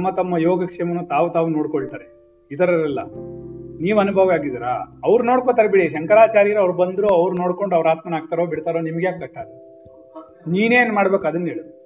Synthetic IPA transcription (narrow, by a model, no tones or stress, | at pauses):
mːɐt̪ɐmːɐjoːɡɐkʂɛmɐnuːt̪aːʋut̪aːʋuno̞ːɽkoɭt̪aːɾe | it̪ʰɐɾɐɾɛlːɐ̰ | niːʋɐnubʱɐʋɐaːɡid̪iɾa̰ɐʋɾuno̞ːɽkoːt̪aːɾebiɽiʃɐŋkɐɾaːt͡ʃaːɾijɐɾɐʋɾubɐnd̪ɾuɐʋɾuno̞ːɽko̞ɳɖɐʋɾaːt̪mɐnaːɡ̚t̪aːɾoːbiɽt̪aːɾoːnimɐɡjaːkːɐʈːaːd̪e | niːneːnmaːɽbeːkɐd̪ɐnːeːɭu